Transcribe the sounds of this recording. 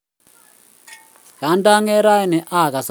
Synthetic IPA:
ka˨˦nda˦ŋɛ˦ɾa˦ɛ˦nɛ˨ʔa˦˨ka˨s

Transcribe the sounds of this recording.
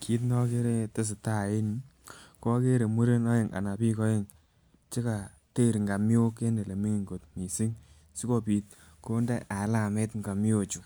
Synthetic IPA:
kʰi˨˦t̬nɔ˦ke˦ɾe˦te˦s̬ɪ˨ta˦˨e˦ni˦ | kɔ˦ke˦ɾe˨mu˦ɾe˦nɔ˦je˨ŋa̰˨na˨pi˦kɔ˦e˨ŋ | t͡ʃe˦ka˨ | te˦˨ɾŋɡa˨mjo˦ke˦ne˨le˨mi˦ŋi˨ŋɡo˨t̚mi˨si˦ŋ | si˦ko˧pi˨t̚ | ko˦nde˦ʔa˨˦la˨me˦tŋɡa˨mjo˨t͡ʃu˨

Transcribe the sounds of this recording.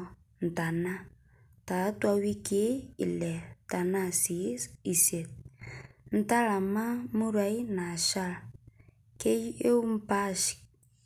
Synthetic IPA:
n̩˨ta˨na˦ | ta˨˦twa˦wi˦ke˦ḭ˨lɛ˨ta˨na˦si˨˦si˨se˨t̚ | n̩˦ta˦la˨ma˦mu˦ɾa˨˦i˦na˨ʃa˦l | ke˦je˦u˦m̩˦pa˦ʃi̥˨

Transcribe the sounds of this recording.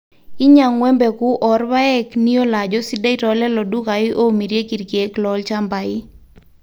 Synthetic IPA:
i˦ɲa˨ŋwɛ˦mbɛ˨ku˦ʔɔ˨rba˦ɛ˦kni˦o˦la˨d͡ʒɔ˦si˦da˦ɪ˦tɔlɛ˦lɔ˨du˦ka˨ɪ˦ʔo˦mi˨ɾje˦ki˨ɾkje˨˦klɔ˨lt͡ʃa˦mba˨ɪ˦

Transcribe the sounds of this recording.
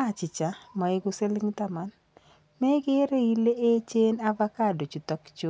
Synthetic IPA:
a˦˨t͡ʃɪ˨t͡ʃa˨ma˨e˨ɡʊ˦se˦lɪ˦ŋt̪a˦ma˦n | mɛ˦ɡɪ˦ɾe˦i˦le˦ʔe˦t͡ʃe˦na˦va˦ka˦˨do˨t͡ʃu˨t̪ɔ˦kt͡ʃo˦

